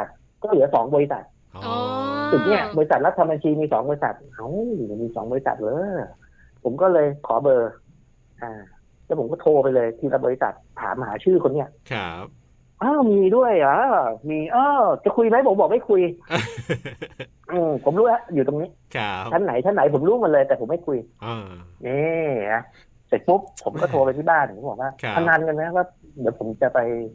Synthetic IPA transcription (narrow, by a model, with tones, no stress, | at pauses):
a˨˩t̪̚ | kɔː˥˩lɯ˩˦ɐsɔ̰ː˩˦ŋbɔː˧ɾi˦˥sa̰˨˩t̪̚ | su˨˩k̚ni˦˥˩ɐbɔː˧ɾi˧˥sa˨˩t̪̚la˦˥t̪ʰːa˧mba˧nt͡ɕʰiː˧miː˧sɔː˩˦ŋbɔː˧ɾi˧sa̰˨˩t̪̚ʔa˧˥wmiː˧sɔ̰ː˩˦ŋbɔː˧i˦sa̰˨˩t̪̚lɤː˨˦ | pʰo˩˦mkɔː˥˩lɤː˧jkʰɔ̰ː˩˦bɤː˧ | ʔaː˨˩ | lɛ˦˥pʰo˩˦mkɔː˥˩t̪ʰoː˧pa˧jlɤː˧jt̪ʰiː˥˩la˦˥t̚ɔː˧i˦˥sa̰˨˩t̪̚ʰːa̰ː˩˦m˧haː˩˦t͡ɕʰɯː˥˩kʰo˧nːi˦˥˩ɐʔ | ʔaː˧˥˩miː˧du˥˩əja˧˥miː˧ʔɔː˧˩t͡ɕa˧kʰu˧jma˦˥jpʰo˨˩˦mbɔː˨˩ma˥˩jkʰu˧j | ʔɯː˧pʰo˩˦mɾuː˦˥ha˦˥ju˨˩t̪o˧ŋniː˦˥ | t͡ɕʰa˦˥nːa˨˩˦jt͡ɕʰa˦˥nːa˨˦jpʰo˩˦mɾuː˦˥ma˧nlɤː˧t̪ɛː˨˩pʰo˩˦ma˥˩jkʰu˧j | ʔiː˧˩ha˧˩ | se˨˩k̪̚bu˦˥k̚ʰo˩˦mkɔː˥˩t̪ʰoː˧pa˧jt̪ʰiː˥˩baː˥˩npʰo˩˦bɔː˨˩k̚waː˥˩t̪ʰa˧nːaː˧nka˧na˦˥waː˥˩ | di˨˦wpʰo˨˩˦mt͡ɕa˨˩pa˧j